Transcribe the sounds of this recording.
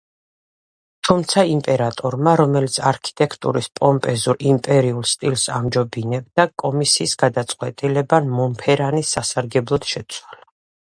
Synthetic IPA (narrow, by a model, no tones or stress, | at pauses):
t̪ʰumt̪sʰaimpʼɛɾat̪ʼɔɾmaɾɔmɛlit̪sʰaɾkʰi̥t̪ʼɛkʰt̪ʼṵɾispʼɔmpʼɛzuɾimpʼɛɾiulˠst̪ʼilsa̰md͡ʒɔbinɛb̚d̪akʼɔmisiːsɡad̪at̪sʼqʼwɛt̪ʼilɛbanmɔmpʰɛɾanisːasaɾɡɛblˠɔd̪̥ʃɛt̪sʰwala